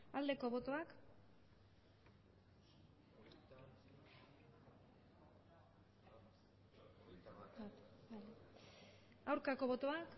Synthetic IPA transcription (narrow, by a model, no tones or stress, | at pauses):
ald̪e̞ko̞βo̞t̪o̞ak | at̪bale | awɾkako̞βo̞t̪oak